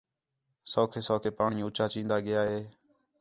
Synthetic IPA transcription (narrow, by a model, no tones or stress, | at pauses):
soːkʰeːsoːkʰeːpaːɳĩːʊːt͡ʃaːt͡ʃĩːnd̪aːɠɪjaːɦeː